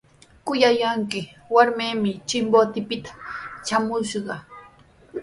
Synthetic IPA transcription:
kʊjajaŋkɪ | waɾmeːmɪt͡ʃɪmbot̪ɪpɪt̪ḁt͡ʃamʊʃɢɑ

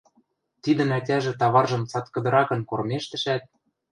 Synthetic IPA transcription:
t̪id̪ə̆nætʲæʒĕt̪ɑβɑrʒɤ̆mt͡sɑt̪kɤ̆d̪ɤ̆ɾɑkɤ̆nkormeʃt̪ɘ̆ʃæt̪̚

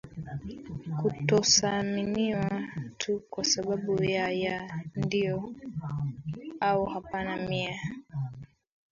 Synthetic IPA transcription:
kutɔsaminiwatʰukwasaɓaɓujajandijɔ | auhapanamia

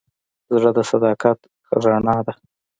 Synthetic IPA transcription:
zɽəd̪əsad̪ɑkat̪ | ɾaɳɑd̪a

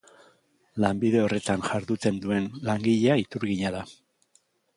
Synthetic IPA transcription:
lambiðe̞o̞re̞t̪anʝaɾðut͡s̪e̞nd̪ue̞nlaŋɡiʎe̞ait̪uɾɣiɲaða

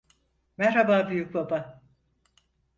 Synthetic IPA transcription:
mɛɾɾhabaːbyjyc̚baba

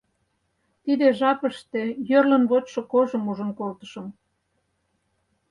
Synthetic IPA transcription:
t̪id̪eʒɑpə̆ʃt̪ĕjørlə̆nβot̪ʃokoʒə̆muʒə̆nkolt̪ə̥̆ʃɤ̆m

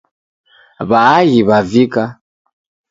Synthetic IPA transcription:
βaːɣiβavika

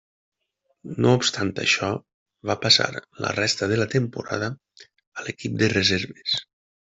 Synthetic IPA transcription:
noupst̪ant̪ə̰ʃɔ | βapasa̰ɾlə̰rɛst̪əðələt̪empuɾa̰ðə | əlekip̚d̪erezeɾβes

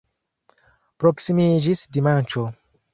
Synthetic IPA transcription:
pɾoksimid͡ʒisdimant͡ʃo

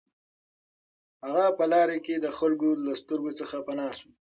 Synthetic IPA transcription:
haɣapəlɑːɾeked̪əxalɡolast̪ʊɾɡot͡səxapɐnɑːsu

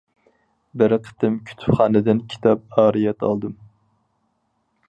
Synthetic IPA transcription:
bɪɾqʰə̥t̪ɨmkʲʰy̥t̪ʰpχɑːnɨd̪ɪnkʲʰi̥t̪ʰɑp̚ɑːɾijɛt̪ɑ̰lˠd̪ɨm

